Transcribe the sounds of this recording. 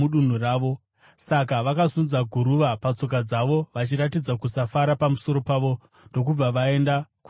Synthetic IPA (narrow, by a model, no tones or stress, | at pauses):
uɗun̤uraːʋo̞ | sak̬aʋakazunzaɡʱuɾuʋapat͡so̞k̬ad͡zaʋo̞ʋat͡ʃiɾatid͡zakusafaɾapamuso̞ɾo̞paʋo̞ | ndo̞k̬ub͡vaʋae̞ndaku